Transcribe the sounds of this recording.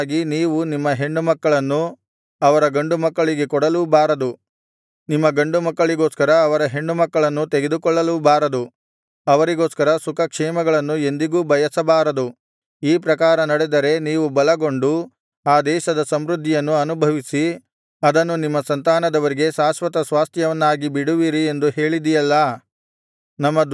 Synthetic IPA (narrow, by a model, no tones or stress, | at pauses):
ɡiniːʋunimːɐɦe̞ɳɖumɐkːɐɭɐnːu | ɐʋɐɾɐɡɐɳɖumɐkːɐɭiɡe̞kɔɽɐlubaːɾɐd̪u | nimːɐɡɐɳɖumɐkːɐɭiɡo̞ːskɐɾɐːʋɐɾɐɦe̞ɳɖumɐkːɐɭɐnːut̪eɡe̞d̪ukɔɭːɐlubaːɾɐd̪u | ɐʋɐɾiɡo̞ːskɐɾɐsukɐkʂɛːmɐɡɐɭɐnːue̞nd̪iɡuːbɐjɐsɐbaːɾɐd̪u | iːpɾɐkaːɾɐnɐɽed̪ɐɾe̞niːʋubɐlɐɡo̞ɳɖu | aːd̪ɛːʃɐd̪ɐsɐmɾud̪ʱːijɐnːuɐnubʱɐʋisi | ɐd̪ɐnːunimːɐsɐnt̪aːnɐd̪ɐʋɐɾiɡe̞ʃaːsʋɐt̪ɐsʋaːst̪ʰjɐʋɐnːaːɡibiɽuʋiːɾie̞nd̪uɦe̞ːɭid̪ijɐlːɐ | nɐmːɐ